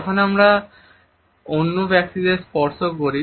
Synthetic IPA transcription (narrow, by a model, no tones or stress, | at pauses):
ɔkʰonamɾa | onːubɛksid̪espɔɾsokoɾi